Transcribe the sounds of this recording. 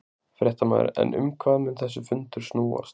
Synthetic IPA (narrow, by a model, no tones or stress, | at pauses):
fɾjɛht̪amaðɾɛ̰nʏmkʰvaːðmɪnθɛsːʏfʏnt̪ʏɾ̥snuːa̰st̪